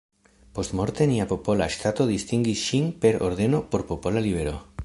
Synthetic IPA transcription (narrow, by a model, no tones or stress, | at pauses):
post̪moɾt̪eniapopolaeʃt̪at̪oðist̪iŋɡisʃiŋpeɾoɾðenopoɾpopolaliβeɾo̰